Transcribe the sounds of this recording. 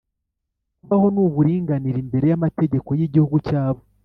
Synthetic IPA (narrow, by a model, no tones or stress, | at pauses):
kuβaho̞nuβuɾiːŋɡaniɾimbe̞ɾe̞jamate̞ɟe̞ko̞jiɟihuɡucaːβo